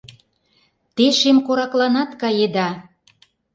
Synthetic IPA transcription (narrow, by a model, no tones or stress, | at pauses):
t̪eʃemkoɾɑklɑnɑt̪kɑjed̪ɑ